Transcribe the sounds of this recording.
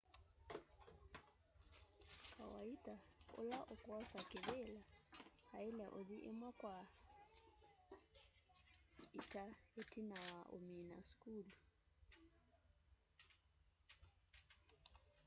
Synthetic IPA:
kawaitao̰laʔokɔsakeβelahaelɛʔoðiʔemwakwa | itaetinawaʔo̰mina̰skulu

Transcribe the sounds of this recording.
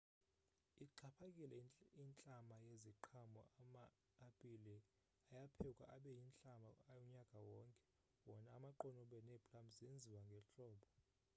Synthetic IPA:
iǃʰapʰakʼilɛint͡ɬʼamajeziǃʰamɔ̰amaː | pʼilɛ | ajapʰɛkʼwa̰ʔaɓɛjint͡ɬʼamaajɔɲakʼawɔːŋkʼɛ̥ | wɔnaːmaǃɔnɔɓɛnɛpʰʼlamzend͡zʱiwaŋɡʱɛɬʼɔːɓɔ

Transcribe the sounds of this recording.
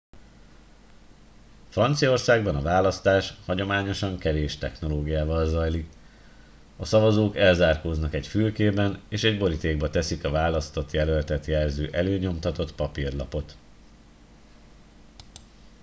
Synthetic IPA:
frɒnt̪sijɒo̞rsaːɡbɒnɒvaːlɒst̪aːʃhɒɟo̞maːɲo̞ʃɒŋkɛveːʃt̪ɛxno̞loːɡijaːvɒlzɒjlik | ɒsɒvɒzoːkɛlzaːrkoːznɒkɛcfylkeːbɛneːʃɛɟbo̞ɾit̪eːɡ̚bɒt̪ɛsikɒvaːlɒst̪o̞t̪jɛlølt̪ɛt̪jɛlzøːʔɛløːɲo̞mt̪ɒt̪o̞t̪pɒpirlɒpo̞t̪

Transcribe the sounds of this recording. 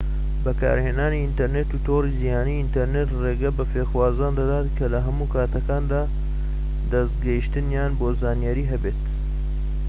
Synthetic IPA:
bɐkʰa̰ːɾheːnaːniint̪ɐɾneːt̪ut̪ʰoːrizijaːniːint̪ɐɾnet̪reːɡɐbɐfeːxwaːzaːnd̪ɐd̪aːt̪kʰɐlɐɦɐmuːkaːt̪ɐkaːnd̪aː | d̪ɐst̪ɡɐhiʃt̪ɨnjaːnboːzaːnjaɾiːɦɐbeːt̪

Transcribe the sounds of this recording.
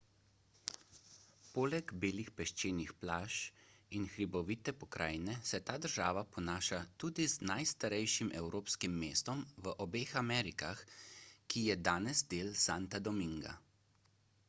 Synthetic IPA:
poːlɛɡbeːlixpɛʃt͡ʃeːnixplaːʃinxɾibɔʋit̪ɛpɔkɾʔa̰ːjnɛsɛt̪aːd̪əɾʒaːʋapɔnaːʃat̪uːd̪iznajst̪aɾɛjʃimʔɛwɾʔoːpskimːeːst̪ɔmʋəʔɔbeːxamɛːɾikaxkijɛd̪aːnɛzd̪eːlsaːnt̪ad̪ɔmiŋɡa̰

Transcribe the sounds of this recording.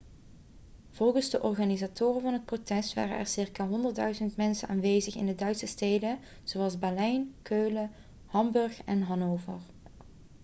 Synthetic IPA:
v̥ɔlˠχəzdəʔɔɹχaːnizaːtʊːrənvɑnɦət̚protɛstʋa̰ːrə̰nʔɛ̰ɹsɪɹkaːɦɔndəɹdœɥzəntmɛnsəna̰ːnʋejzəχɪ̰ndədœɥtsəstejdə | z̥oɑlˠzbɛlɛjnkøːlə | hɑmbɵɹχɛnɦɑnowvə̰ɹ

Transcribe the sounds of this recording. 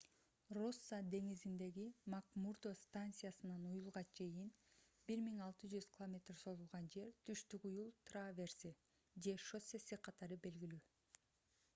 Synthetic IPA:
rosːad̪e̞ŋizind̪e̞ɡimakmurd̪ost̪ant̪sɨjasɯnɑnujulˠʁɑt͡ʃʰe̞jin | biɾmiŋɑlˠt̪ɯd͡ʒyz̥kʲʰɪlˠomʲe̞t̪rso̞zulˠʁɑnd͡ʒe̞ɾt̪ʰyʃt̪ykujulˠt̪ravʲe̞rsi | d͡ʒe̞ʃo̞sesiqʰɑt̪ɑɾɯbe̞lɡilyː

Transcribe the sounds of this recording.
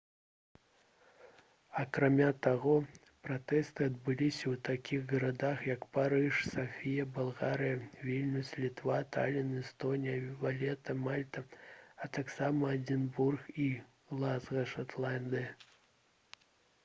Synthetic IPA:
ɐkɾamʲat̪aɣɔ | pɾat̪ɛst̪ɨɐd̪bɨlʲisʲɐwt̪akʲiɣɣɐɾad̪axjɐkpaɾɨʂsaxfʲijɐbalˠɣaɾɨjɐvʲilʲnusʲlʲit̪vat̪alʲinɛst̪ɔnʲijɐvalʲɛt̪ɐmalʲt̪ɐɐt̪aksamɐːd͡zʲinburxi | lˠazɣɐʂat̪lˠand̪ɨjɐ

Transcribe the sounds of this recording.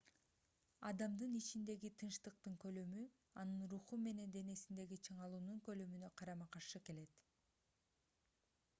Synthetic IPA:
ɑd̪ɑmd̪ɯnit͡ʃind̪e̞ɡit̪ʰɯnʃt̪ɯq̚t̪ɯŋkø̞lø̞my | ɑnɯnɾuχume̞ne̞nd̪e̞ne̞sind̪e̞ɡit͡ʃʰɯɴɑlˠuːnuŋkø̞lømynø̞qʰɑɾɑmɑqɑʃɯke̞le̞t̪

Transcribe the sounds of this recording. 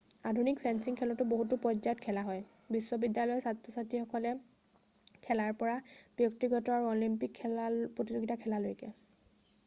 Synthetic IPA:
adʱunikpʰɛnsiŋkʰɛlɔtʊboɦutʊpɔd͡ʒaɔtkʰɛlaɦɔj | bisːɔbidjalɔjɔsatɹɔsatixɔkɔlɛ | kʰɛlaɹpɔɹab̥jɔktiɡɔtɔaɹuɔlimpikʰːɛlapɹotizoɡitakʰɛlalojkɛ̰

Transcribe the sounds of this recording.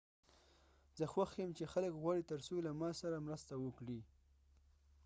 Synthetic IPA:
z̥əxwaxjemt͡ʃexaləkɣwɑɽit̪əɾsolamɑsaɾamɾast̪awəkɽi

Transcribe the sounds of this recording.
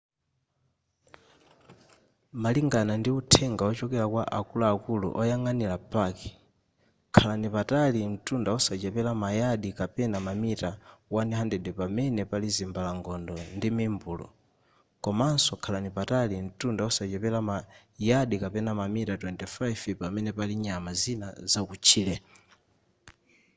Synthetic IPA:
maliŋɡanandiutʰɛŋɡaɔt͡ʃɔkɛlakwaʔakulaːkulṵʔɔjaŋanilapakɛ̥ | kʰalanipatalim̩tundaɔsat͡ʃɛpɛlamajaɗikapɛnamamitawaniɦandɛɗɛpamɛnɛpalizimbalaŋɡɔndɔndimimbulɔ̰ | kɔmansɔkʰalanipatalim̩tundaɔsat͡ʃɛpɛlama | jaɗikapɛnamamitatwɛntifajvpamɛnɛpaliɲamazinazakut͡ʃʰiːlɛ

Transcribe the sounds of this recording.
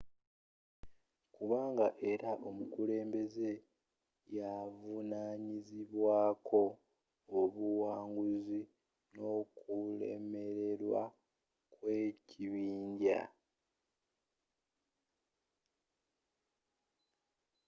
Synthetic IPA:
kuβaːŋɡaʔe̞ɾaʔo̞mukule̞ːmbe̞ze̞ | javunaːɲiziβwaːkʰo̞ː | βuwaːŋɡuzi | no̞ːkule̞̰me̞ɾe̞ɾwa̰ | kwe̞ːcʰiβiːɲɟa̰

